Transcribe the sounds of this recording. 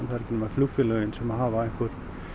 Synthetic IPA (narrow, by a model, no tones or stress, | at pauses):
nθaðɾcʰɪnmaɾfluɣfɪlœɣɪnsɛmaðɦaːvaɛhkʏɾ̥